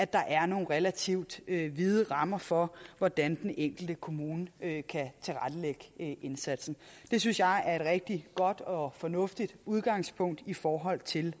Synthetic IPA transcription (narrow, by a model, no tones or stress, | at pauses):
æd̥ɑ̈ʔæɐno̝ːn̩ʁelæt͡sʰiʊd̥øʋið̞ˠəʁɑ̈mɐfɒ̽ʋɒd̥ænd̥eneŋ̰ɡ̥l̩d̥əkʰo̝muːnəkʰæt͡sʰe̝lʁad̥əleɡ̥əʔe̝nsæd̥sn̩d̥e̝synsjɑ̈ɪæɐe̝d̥ʁɛɡ̥̚d̥iɡ̥ɒ̽d̥ɒ̽fɒ̽nɔ̽fd̥id̥uð̞ˠɡ̥ɑ̈ŋ̰spʰɔ̽ŋ̰d̥ifɒːɦɒ̽l̰t͡sʰe̝l